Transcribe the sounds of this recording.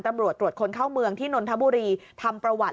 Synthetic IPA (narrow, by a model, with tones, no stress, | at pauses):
nt̪a˧mɾu˨˩ət̪ːɾu˨˩ət̪̚kʰo˧nkʰaː˥˩wmɯ˧əŋt̪ʰiː˥˩no˧nt̪ʰa˦˥buː˧ɾiː˧t̪ʰa˧mpɾa˧wa˨˩